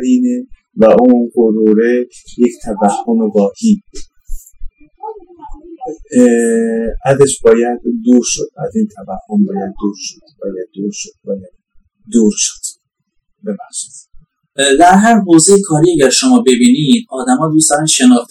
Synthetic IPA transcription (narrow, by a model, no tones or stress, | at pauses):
ɾiːne | væʔunɡoɾuːɾe | jecʰt̪ʰævæhːo̞mevɒːhiː | ʔæzeʃbɒːjæd̪ːuːɾʃod̪æzint̪ʰævæhːombɒːjæd̪̚ːuːɾʃod̪̥bɒːjæd̪̚ːuːɾʃod̪̚bɒjæd̪ | d̪uːɾʃo̥d̪̥ | bebæhʃe̥d̪̥ | d̪æɾɦæɾɦoːzejekʰɒːɾiæɟæɾʃomɒːbe̞biːnid̪̥̚ɒːd̪æmɒːd̪usd̪ɒɾænʃenɒːxt̪